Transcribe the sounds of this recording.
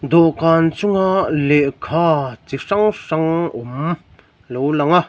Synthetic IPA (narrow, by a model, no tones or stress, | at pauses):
d̪ɔʔkant͡suŋalɛʔkʰat͡siʂaŋʂaŋɔm | lowlaŋa